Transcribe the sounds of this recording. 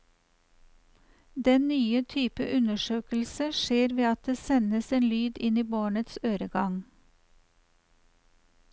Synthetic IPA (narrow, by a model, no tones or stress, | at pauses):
d̪ɛnnyːət̪ʰyːpə̰ʔʉnəʃøːkl̩səʃeːɾʋeːɑt̪̚d̪eːsɛnəseːnlyːd̪ɪniːboːɳət̪søːɾəɡɑŋ